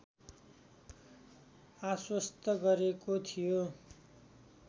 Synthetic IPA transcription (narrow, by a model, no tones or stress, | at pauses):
aswʌst̪ʌɡʌɾekot̪ʰijo